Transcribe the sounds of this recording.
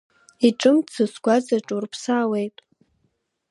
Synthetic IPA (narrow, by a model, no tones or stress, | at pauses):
iʈ͡ʂʼɨmt͡sʰɨsɡʷad͡zaʈ͡ʂʼurpʰsaːwejtʼ